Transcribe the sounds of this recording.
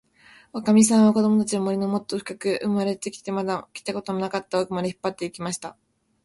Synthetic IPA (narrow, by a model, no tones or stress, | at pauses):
βakamʲis̬ãɰ̃βako̞d̪o̞mot̪at͡ɕinomo̞ɾʲino̞mo̞t̪ːo̞ɸɯ̟̥kakɯ̟ʔɯmaɾe̞t̪e̞kʲi̥t̪e̞mad̪akʲi̥t̪ako̞t̪o̞monakat̪ːaokɯmaɾeçi̥pːat̪ːe̞ikʲimaɕi̥t̪a